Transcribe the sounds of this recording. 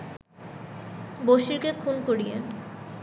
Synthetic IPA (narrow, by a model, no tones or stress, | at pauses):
boʃiɾkekʰunkoɽijḛ